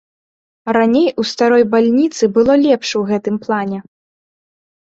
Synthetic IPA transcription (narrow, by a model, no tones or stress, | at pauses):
ɾanʲejʔust̪aɾɔjbalʲnʲit̪sɨbɨlˠɔlʲɛpʂwɣɛt̪ɨmplˠanʲɛ